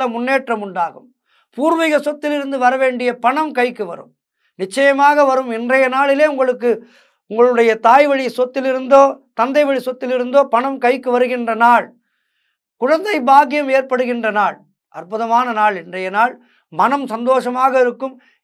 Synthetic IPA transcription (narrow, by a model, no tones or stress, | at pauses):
ɐmʊnːeːʈrɐmʊɳɖaːɣɯm | puːɾʋɪɣɐsɔt̪ːɪlɪɾɯnd̪ɯʋɐɾɐʋeːɳɖɪjɐpɐɳɐmkɐɪkːɯʋɐ̰ɾɯ̰m | nɪt͡ʃːɐjɐmaːɣɐʋɐɾɯmɛndrɐjɐnaːɭɪleːʊŋɡɐɭɯkːɯ | ʊŋɡɐɭɯɽɐjɐt̪aːjʋɐɻɪsɔt̪ːɪlɪɾɯnd̪oːt̪ɐnd̪ɐɪʋɐɻisɔt̪ːɪlɪɾɯnd̪oːpɐɳɐmkɐɪkːɯʋɐɾɯɣɪndrɐnaːɭ | kʊɻɐnd̪ɐɪbaːɣɪjɐmeːrpɐɽɯɣɪndrɐnaːɭ | ʔɐrpɯðɐmaːnɐnaːɭɛndrɐjɐnaːɭ | mɐnɐmsɐnd̪oːʂɐmaːɣɐɪɾɯkːɯm